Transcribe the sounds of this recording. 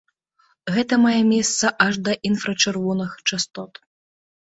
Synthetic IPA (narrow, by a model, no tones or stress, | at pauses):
ɣɛt̪ɐmajɛmʲɛst̪sɐʔɐʐd̪ɐʔinfɾɐt͡ʂɨrvɔnɨxt͡ʂast̪ɔt̪